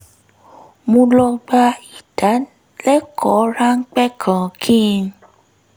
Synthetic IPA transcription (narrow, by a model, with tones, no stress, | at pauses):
mõ˧lɔ˧ɡ͡ba˧i˨d̥a˨˦ | lɛ˦kʰɔ˨˦ɾa˦ŋ̩˦k͡pɛ˦kʰã˨kʰĩ˦˧